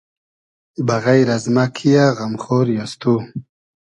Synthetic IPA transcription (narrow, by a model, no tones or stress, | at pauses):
baɣajɾazmakʰijaɣamχoɾjast̪u